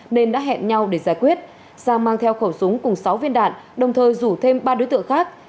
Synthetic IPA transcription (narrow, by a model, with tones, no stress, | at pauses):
ne˧nɗa̰ː˧˦˥ɦɛ̰˧˨nɲa˧wɗe˧˩zaː˧˩jkwi˦˥ət̚ | z̥aː˧˩maː˧ŋt̪ʰɛ˧wxə˧˩wsʊ˨˦ŋ͡mkʊ˨˩ŋ͡msa˨˦wvi˧ənɗa̰ː˧˨nɗə˨˩wŋ͡mt̪ʰəː˨˩jzu˧˩t̪ʰe˧mɓaː˧ɗo˨˦jt̪ɨ˧˨əŋxaː˦˥k̚